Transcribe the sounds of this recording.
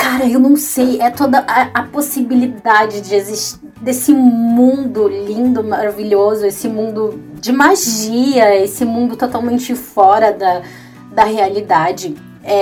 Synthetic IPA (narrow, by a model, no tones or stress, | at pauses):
kaɾɐewnɐ̃w̃sejɛt̪od̪ɐʔɐɐposibilid̪ad͡ʒɪd͡ʒɪeziʃt͡ʃi | d̪esɪmũnd̪ʊlĩnd̪ʊmaɾaviʎozʊesɪmũnd̪ʊd͡ʒɪmaʒiɐesɪmũnd̪ʊt̪ot̪awmẽnt͡ʃɪfɔɾɐd̪ɐ | d̪ɐhealid̪ad͡ʒɪ | ɛ